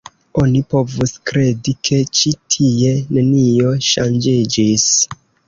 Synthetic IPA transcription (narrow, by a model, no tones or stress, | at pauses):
o̞nipo̞vuskɾe̞dikʰe̞t͡ʃitʰie̞ne̞nio̞ʃand͡ʒid͡ʒis